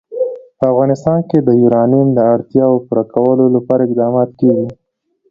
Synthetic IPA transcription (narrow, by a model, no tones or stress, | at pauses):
pəafɣɑnɪst̪ɑnked̪əjuɾɑnimd̪əaɽt̪jɑopuɾakawəlolapɑɾaɪqd̪ɑmɑt̪keɡi